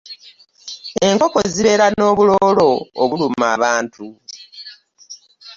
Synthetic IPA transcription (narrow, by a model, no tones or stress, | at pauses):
e̞ŋko̞ko̞ziβe̞ːɾano̞ːβulo̞ːlo̞ːβulumaːβaːntu